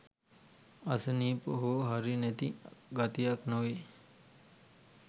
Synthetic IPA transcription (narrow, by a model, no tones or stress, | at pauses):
asəniːpoɦoɦaɾinæt̪iɡat̪ijaknoʋe